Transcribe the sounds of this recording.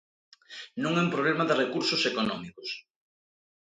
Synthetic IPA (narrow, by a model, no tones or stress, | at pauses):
nõŋɛũmpɾoβlemaðerekuɾsosekonɔmikos